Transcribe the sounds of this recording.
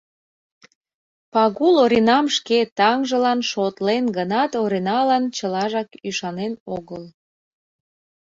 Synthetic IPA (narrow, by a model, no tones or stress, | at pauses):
pɑɣuloɾinɑmʃket̪ɑŋʒəlɑnʃot̪lenɡənɑt̪oɾinɑlɑnt͡ɕəlɑʒɑkyʃɑnenoɣəl